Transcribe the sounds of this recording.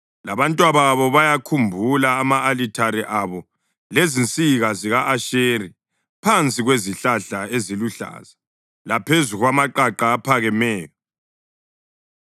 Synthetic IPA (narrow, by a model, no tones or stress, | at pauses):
laβantʼwaβaβɔβajakʰumbʱulaːmaːlitʰaɾiʔaβɔ | lezint͡sʼiɣaziɣaʔaʃeri | pʰant͡sʼiɣweziɬaɬaeziluɬa̰ːza | lapʰezuɣwamaǃaǃaːpʰaɣɛmɛːjɔ